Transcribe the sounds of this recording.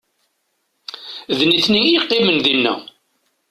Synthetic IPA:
ðniθniiqːemənðinːæ̰

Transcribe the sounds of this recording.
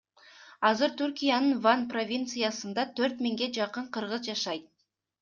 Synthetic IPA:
ɑzəɾt̪ʰʏɾkʲijanəɴvanpro̞vʲint̪sɨjasənd̪ɑt̪ʰɵɾt̪mɪŋɡʲe̞ʒɑqəɴqʰəɾʁəzʒɑʃɑjt̪̚

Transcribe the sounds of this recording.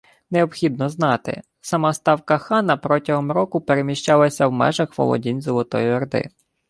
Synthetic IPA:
neɔbxʲid̪̚nɔznɑt̪ɪ̰ | sɐmɑst̪ɑwkɐxɑnɐpɾɔtʲɐɦɔmɾɔkʊpeɾemʲiʃt͡ʃɑlˠɐsʲɐwmɛ̰ʒɐxʋɔ̰lˠɔ̰dʲinʲzɔlˠɔt̪ɔjʊɐrd̪ɪ̰

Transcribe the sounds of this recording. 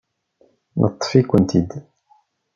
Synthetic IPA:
nʔə̰t̪ˤːfikʷənt̪id̪

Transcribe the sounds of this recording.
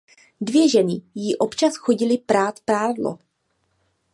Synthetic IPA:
dvjɛʒɛnɪjiʔo̞pt͡ʃasxoɟɪlɪpɾaːt̪pɾaːdlo̰

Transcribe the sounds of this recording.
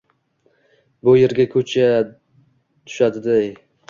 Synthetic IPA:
bʊjeɾɡʲakʰɵt͡ʃʰa | t̪ʰʊ̥ʃad̪ɪd̪aj

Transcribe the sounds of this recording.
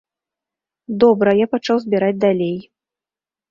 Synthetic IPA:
d̪ɔbɾɐjapat͡ʂawzʲbʲiɾad͡zʲd̪alʲej

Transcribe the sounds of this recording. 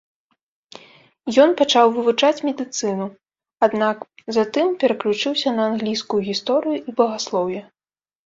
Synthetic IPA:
jɔnpat͡ʂawvɨvut͡ʂat͡sʲmʲɛd̪ɨt̪sɨnu | ad̪nakzat̪ɨmpʲɛɾɐklʲut͡ʂɨwsʲɐnɐːnɣlʲijskujuɣʲist̪ɔɾɨjuʔibɐɣaslˠɔwjɐ

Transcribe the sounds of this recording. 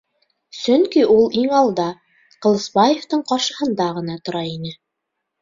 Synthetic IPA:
sɵŋkiʔulˠiŋɑlˠd̪ɑ | qɤ̆lˠɤ̆sbɑjeft̪ɤɴqɑʃɤ̆hɤ̆nd̪ɑʁɤ̆n̪ɑt̪ŏɾɑinɘ

